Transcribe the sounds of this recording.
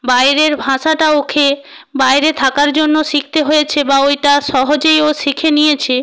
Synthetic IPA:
bajɾeɾbʱãʃaʈaokʰe | bajɾet̪ʰakaɾd͡ʑonːoʃik̚ʰt̪eɦojet͡ɕʰebaojʈaʃɔɦod͡ʑejoʃikʰenijet͡ɕʰe

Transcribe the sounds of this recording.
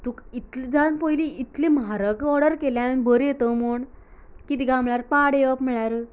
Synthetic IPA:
t̪ukit̪ld͡zanpɔjliit̪limɦaɾəɡɔɾɽəɾkeljãinbəɾjet̪əmuɳkit̪iɡãmɭjaɾpaɽeʋəpm̤əɭaɾ

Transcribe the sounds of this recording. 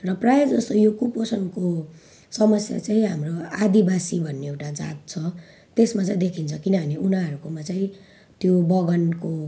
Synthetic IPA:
rʌprajed͡zʌst̪ojokuposʌnko | sʌmʌsja̰t͡saĩɦamroad̪ibasibʱʌnːeewʈad͡za̰t̪̚t͡sʰʌ | t̪esmat͡saĩd̪ekʰint͡sʰʌkinʌbʱʌneunaʌɾukomat͡saĩ | t̪jobʌɡʌnko

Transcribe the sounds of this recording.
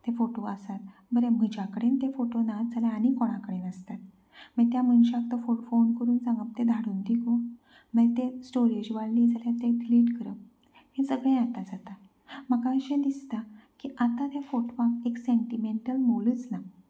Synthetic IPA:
t̪efoʈoəsat̪ | bəɾem̤əd͡ʑakəɽent̪efoʈonat̪d͡zaljaanikɔɽ̃ãkəɽenəst̪at̪ | mə̃t̪jamənɕak̚t̪əfofonkəɾuːnsãŋɡəp̚t̪ed̪ʱaɽuːnd̪iko | məɭet̪esʈoɾed͡ʑʋaɭːid͡zaljat̪etliːʈkəɾə | hẽsəɡɭẽat̪ad͡zat̪a | məɡãəɕẽd̪ist̪akiʔat̪ãt̪jafoʈʋãkekseɳʈimeɳʈəlmoləːt͡sna

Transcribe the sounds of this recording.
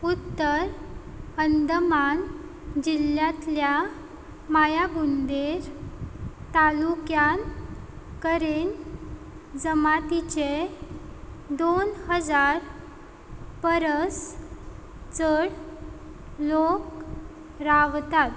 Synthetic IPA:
ut̪ːəɾ | ənd̪əman | d͡ʑiljãt̪lja | majabund̪eɾ | t̪alukjan | kəɾen | d͡zəmat̪it͡ɕe | d̪onhəd͡zaɾ | pəɾəs | t͡səɽ | lok | ɾaʋt̪at̪

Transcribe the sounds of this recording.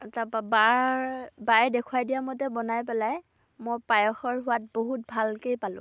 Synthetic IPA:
ɛtapaba | bajdɛkʰuajdijamɔtɛbɔnajp̬ɛlaj | mojpajɔxɔɹɦʊwat̚boɦut̚bʱalkejpalʊ̰̃

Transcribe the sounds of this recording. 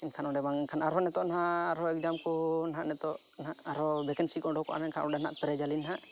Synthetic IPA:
inkʰanɔɖɛbaŋɛnkʰanaɾɔnɛt̪ɔnaɦaaɾɔɛk̚d͡ʒamkɔnaɦaʔnɛt̪ɔʔ | naʔaɾɔbɛkɛnsikɔɖɔkɔʔa̰nainkʰanʔɔɖɛnaʔp̪ɛɾɛd͡ʒalinɦaʔ

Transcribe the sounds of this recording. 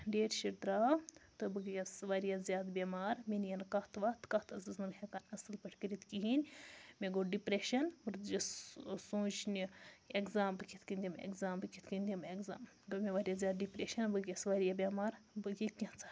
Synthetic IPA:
ɖeːɾʃiɖ̪ɾaːt̪ɨbɨɡjʲɐsʋaːɾijazʲjaːd̪bʲemaːɾminijɐnkat̪ʰʋaːt̪kɐt̪ʰɐsɨznɐbɦekaːnɐsɨlpɐʈʰʲkəɾit̪kiɦinʲmeɡoːɖipɾeʃɐnbɨɾd͡ʒɐssõːt͡ʃnʲieɡzaːmbɨkʲʰit̪ʰkɨnd̪ʲimḛɡzaːmbɨkʲit̪kɨnd̪ʲimeɡza̰ːm | ɡomʲeʋaːɾʲjazjaːd̪̚ɖipɾeʃɐnbɨɡjɐsʋaːɾijabʲjamaːɾbɨɡʲikʲɐ̃t͡sḁ

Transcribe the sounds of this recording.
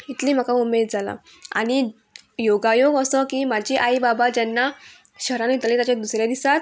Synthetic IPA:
it̪liːm̤akaumed̪d͡zʱala̰ | a̰ñi | joɡajoɡəsɔkiːmad͡ʑʱiʔajbabad͡ʑɛnːa | ɕəɾãnit̪lĩt̪at͡ɕãd̪usɾjad̪isat̪

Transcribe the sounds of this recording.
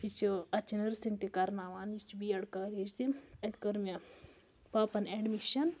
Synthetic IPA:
it͡ʃiɐt͡ʃinɐɾsiŋt̪ikɐɾnaːʋaːnit͡ʃibiːɐɽkaːɾid͡ʒd̪imɐt̪kɐɾmʲɐ | paːpɐneɖmiʃɐn

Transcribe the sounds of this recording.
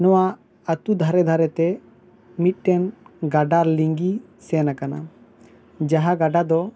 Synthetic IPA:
nɔwa | ət̪ud̪ʱaɾɛd̪ʱaɾɛt̪ɛ | mit̪̚ˀʈɛnɡaɖaɾliŋɡi | sɛnakana̰ | d͡ʒaɦaɡaɖad̪ɔ

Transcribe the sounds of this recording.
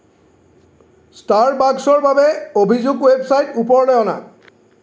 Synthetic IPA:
staɹbaɡsɔɹbabeobʱizuɡwebsajtupɔɹlɛɔna̰

